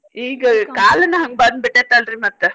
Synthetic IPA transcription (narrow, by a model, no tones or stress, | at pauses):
iːɡɐkaːlɐnːɐɦɐŋɡ̚bɐnd̪biʈːet̪ɐlɾimɐt̪ːe